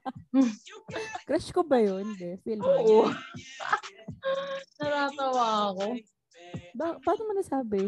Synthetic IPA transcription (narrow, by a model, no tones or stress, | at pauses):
kɾɛʃkobɐjonbɛfɪlmoːʔo | nɐt̪aːt̪ɐwaːɐko | bapaːnomɐnɐsaːbɪ